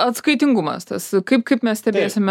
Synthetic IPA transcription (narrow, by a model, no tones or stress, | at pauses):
ɐt̪skɐɪt̪ʲɪŋɡumɐ̰st̪ɐskɐɪp̚kɐɪpmʲɛsʲt̪ʲɛbʲeːsʲɪmʲ